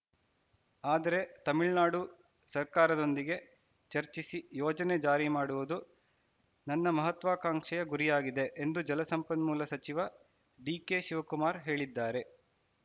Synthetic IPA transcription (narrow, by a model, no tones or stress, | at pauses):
aːd̪ɐɾe̞t̪ɐmiɭnaːɽu | sɐɾkaːɾɐd̪o̞nd̪iɡe̞ | t͡ʃɐɾt͡ʃisijɔːd͡ʒɐned͡ʒaːɾimaːɽuʋud̪u | nɐnːɐmɐɦɐt̪ʋaːkaːŋʂɛjɐɡuɾijaːɡid̪e̞ʔːnd̪ud͡ʒɐlɐsɐmpɐnmuːlɐsɐt͡ʃiʋɐ | ɖiːke̞ʃiʋɐkumaːɾɦe̞ːɭid̪ːaːɾe̞